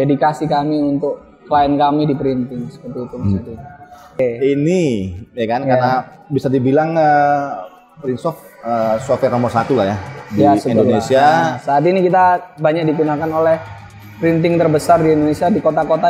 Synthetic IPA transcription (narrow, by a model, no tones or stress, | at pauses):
edikasikamiunt̪ʊk̚ | kəlaɪnkamidipəɾint̪ɪŋsə̥pət̪uit̪umasat̪ii | einijakankarna | bisadibilaŋə | pɾinsɔfəsofɛrnamosat̪ulahjadijasəinolnesiasaːt̪̬inikit̪̬abaɲak̚diɡunakanolɛh | pəɾint̪ɪŋt̪ərbəsardiindonesiadikot̪akot̪a